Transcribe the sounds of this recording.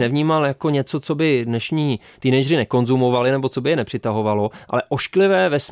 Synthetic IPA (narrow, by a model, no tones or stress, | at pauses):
nɛvɲiːmaljako̞ɲɛt͡so̞t͡so̞bɪdnɛʃɲiː | t̪iːnɛjd͡ʒr̝ɪnɛko̞nzumo̞valɪnɛbot͡so̞bɪjɛnɛpr̝̥ɪt̪aɦo̞valo̞ʔa̰lɛʔo̞ʃklɪvɛːvɛs